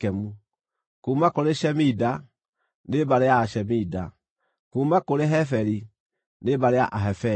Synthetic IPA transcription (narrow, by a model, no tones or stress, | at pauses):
ɛmu | kuːmakoɾeʃɛmida | nebaɾeaʃɛmida | kuːmakoɾeɦɛfɛɾi | nebaɾea̰ʔaɦɛfɛ